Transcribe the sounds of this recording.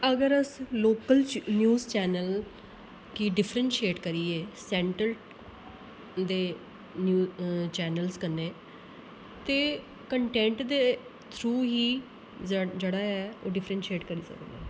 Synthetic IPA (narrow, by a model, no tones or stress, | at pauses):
əɡəɾəsloːkəlnjuːzt͡ʃɛːnəl | kiɖɪpʰɾənʃieːʈkəɾiːeːsɛ̃ːɳʈəl | d̪eː | nuːt͡ʃɛːnəlskənːeː | t̪eː | kəɳʈɛ̃ːɳʈd̪eː | t̪ʰɾuːɦiː | d͡ʒəɽaːɛːoːɖɪpʰɾənʃieːʈkəɾiːsə̰kd̪eː